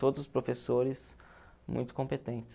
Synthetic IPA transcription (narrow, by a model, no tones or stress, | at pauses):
t̪od̪ʊzʊspɾofesoɾɪs | mṵ̃j̃t̪ʊ̥kõpet̪ẽnt͡ʃɪ̥